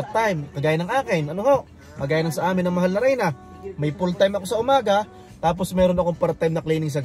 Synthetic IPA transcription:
t̪ajmkɐɡaːjɐnɐŋʔaːkɪnʔɐnoho̞ʔ | kɐɡaːjɐnɐŋsɐʔaːmɪnːɐŋmɐɦalnɐɾɛjnɐ | mɐjpolt̪ajmɐko̞sɐʔʊmaːɡɐ | t̪aːp̬o̞smɛːɾonɐko̞ŋpɐɾt̪ajmnɐklɛjnɪŋs̬ɐɡ

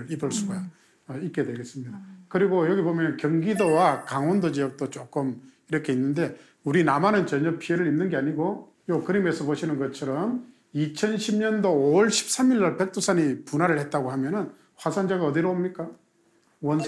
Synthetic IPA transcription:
ɭibɯɭs͈uɡa | ik͈e̞dweɡe̞s͈ɯmɲidakɯɾiɡojʌɡibomjʌnnkjʌŋɡidowakaŋʌndod͡ʑiʌk̚t͈ot͡ɕ͈ok͈ɯmiɾʌkʰe̞inːɯnde̞ | uɾinamanɯnt͡ɕʌɲʌpʰie̞ɾɯɭɾimnɯnɡe̞aɲiɡo | jokɯɾime̞sʰʌpoɕʰinɯnɡʌt͡ɕʰʌɾʌm | it͡ɕʰʌnɕʰimɲʌndoːʌɭɕʰi̥p̚s͈amiɭːaɭpek̚t͈ʰosʰaɲipunɦaɾɯɭhe̞t̚t͈aɡohamjʌnɯn | ɸwasʰand͡ʑaɡaʌdiɾoomɲik͈a | wʌn

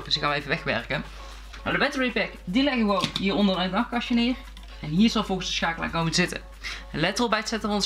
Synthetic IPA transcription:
d̥əsɪkxaːnʋəejvəʋɛxʋɛ̰ɹkən | na̰wdəʋɛtəɹepɛkdilɛɣəxʋonɦiːrɔndərɛtdɑxkɑʃənɪːr | ɛnɦiːɹzɑlˠvɔlˠɣənsdəsxaːkəlˠa̰ːkomənzɪtə̰ | nlɛtəlˠbɛjtsɛtənʋɔns

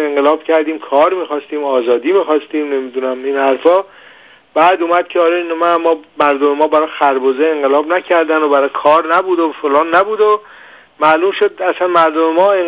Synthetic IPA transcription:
eŋɢelɒːb̥cʰæɾd̪iːmkʰɒːɾmiːxɒːst̪iːmɒːzɒːd̪iːmiːxɒst̪iːmne̞mid̪unæmiːnhæɾfɒː | b̥æːd̪uːmæd̪̥̚kcʰeɒːɾeinmæmːɒːmæɾd̪omemɒːbæɾɒxæɾboːzeeŋɢelɒːbnæcʰæɾd̪ænobæɾɒkʰɒːɾnæbuːd̪ofolɒːnːæbuːd̪o | mæluːmʃod̪̚æsænmæɾd̪omemɒːe

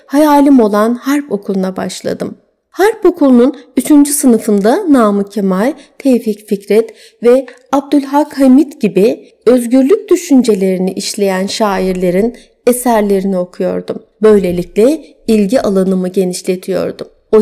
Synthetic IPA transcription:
hajaːlʲimo̞lˠanhæɾpo̞kʰulˠunaba̰ʃlˠa̰d̪ɯm | hæɾpo̞kʰulˠununyt͡ʃʰynd͡ʒysɯnɯfɯnd̪anaːmɯcʰemajt̪ʰejficficɾɛt̪ | vɛ | ab̚d̪ylʲɦakhamit̪ɟibi | ø̞zɟyɾlʲyc̚ʲd̪yʃynd͡ʒe̞lʲe̞ɾiniʔiʃlʲe̞jænʃaːiɾlʲe̞ɾin | e̞sæɾlʲe̞ɾinio̞kʰujo̞̰ɾd̪um | bø̞jlʲe̞lʲiclʲɛ | ilʲɟiʔalˠanɯmɯɟe̞niʃlʲe̞t̪ʰijo̞̰ɾd̪um | o

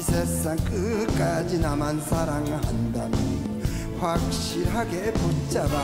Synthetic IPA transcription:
sʰes͈aŋk͈ɯk͈ad͡ʑinamansʰaɾaŋhandamʌn | ɸwak̚ɕ͈iɾɦaɡepot͡ɕ͈aba

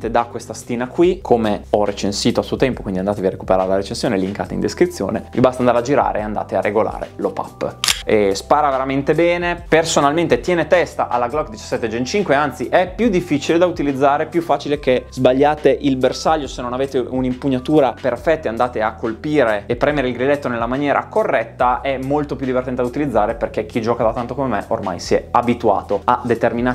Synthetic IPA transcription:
t̪ed̪akwest̪ast̪iːnakwikʰomeɔret͡ʃensiːt̪oasuot̪ɛmpokwind̪iand̪at̪eviaɾeku̥peɾaɾelaɾet͡ʃensjoːneliŋka̰ːt̪eḭnd̪eskɾit̪sːjo̰ːnevḭbast̪and̪aɾlad͡ʒiɾa̰ːɾeand̪a̰ːt̪earːeɡola̰ːɾḛlopa̰pːespaːɾaveɾament̪ebɛːnepersonalment̪et̪jɛːnet̪ɛst̪aʔalːaɡlɔkd̪it͡ʃḁsːɛt̪ːed͡ʒent͡ʃiŋkweant̪siʔɛpːjud̪ːifːit͡ʃiled̪aut̪ilid̪zːaːɾepjufːaːt͡ʃilekez̥baʎːaːt̪eʔilbersaʎːosenːonaveːt̪eʔunimpuɲːat̪uːɾaperfɛt̪ːeand̪aːt̪eakːolpiːɾeepːɾɛːmeɾeilɡɾilɛt̪ːonelːamanjɛːɾʔa̰korːɛt̪ːaʔɛmːolt̪opjud̪ːivert̪ɛnt̪ed̪aut̪ilid̪zːaːɾeperkek̟id͡ʒɔːkad̪at̪ant̪okomemḛʔo̰rma̰jsiɛ̰abit̪ua̰ːt̪oad̪et̪ermina

